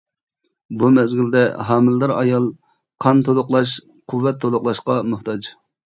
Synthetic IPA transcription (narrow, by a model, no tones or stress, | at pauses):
bumɛzɡʲild̪ɛɦɑːmɪld̪ɨɾɑ̰jɑlˠ | qʰɑnt̪ʰolˠʊqlˠɑʃ̬ | qʰuwvːɛt̪ʰːolˠʊqlˠɑʃqɑmʊht̪ʰɑd͡ʒ